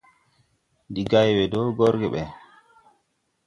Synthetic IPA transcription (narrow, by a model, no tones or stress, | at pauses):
ndiɡajwɛdɔɡɔɾɡɛɓɛ